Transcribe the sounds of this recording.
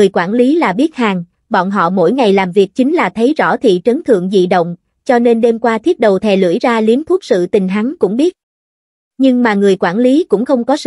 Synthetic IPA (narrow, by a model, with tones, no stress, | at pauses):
ɨ˨˩əjkwaː˧˩nli˨˦laː˨˩ɓi˦˥ət̚haː˨˩ŋ | ɓɔ̰˧˨nɦɔ̰˧˨mo̰˧˥jŋa˨˩jlaː˨˩mvi˨˩ək̚t͡ɕï˨˦ŋ̟laː˨˩t̪ʰə˨˦jzɔ̰˧˩t̪ʰḭ˧˨t͡ɕə˨˦nt̪ʰɨ̰˧˨əŋzḭ˧˨ɗə̰˧˨wŋ͡m | t͡ɕɔ˧ne˧nɗe˧mkwaː˧t̪ʰi˦˥ət̚ɗə˨˩wt̪ʰɛ˨˩lɨ̰˧˩jzaː˧li˨˦ənt̪ʰu˦˥t̚sɨ̰˧˨t̪ï˨˩ŋ̟ɦa˨˦ŋkʊ̰˧˥ŋ͡mɓi˦˥ət̚ | ɲɨ˧ŋmaː˨˩ŋɨ˨˩əjkwaː˧˩nli˨˦kʊ̰˧˥ŋ͡mxə˧wŋ͡mkɔ˨˦sɨ˧